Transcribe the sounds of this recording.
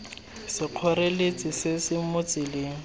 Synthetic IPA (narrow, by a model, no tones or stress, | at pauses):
sɪq͡χʰɔrelet͡sʼɪsɪsɪmʊt͡sʼɪlɪŋ̩